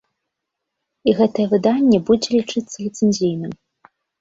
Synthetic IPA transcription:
iɣɛt̪ɐjɛvɨd̪anʲːɛbud͡zʲɛlʲit͡ʂɨt̪sːɐlʲit̪sɨnʲzʲijnɨm

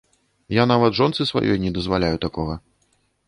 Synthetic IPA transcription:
janavɐt̪ʐɔnt̪sɨsva̰jʔɔ̰jnʲɛd̪ɐzvalʲajut̪akɔɣɐ

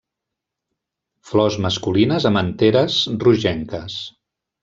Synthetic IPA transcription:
flɔzməskulinəzəmənt̪eɾəzruʒɛŋkəs

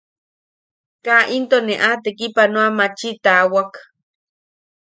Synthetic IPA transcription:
kaʔint̪oneʔat̪ekipanõamat͡ʃit̪awak

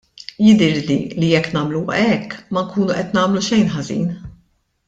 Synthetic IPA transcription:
jɪd̪ɪɾlḭlijɛkːnɐːmluɐ̰ʔɛkːmɐŋkuːnuʔɛt̪nɐːmluʃɛjnħɐzḭːn

